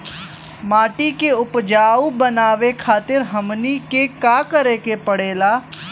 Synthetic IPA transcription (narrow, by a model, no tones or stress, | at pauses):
maːʈikeʊpd͡ʒaːubənaːʋekʰaːt̪ɪɾɦəmnikekaːkəɾeːkepəɽeːlaː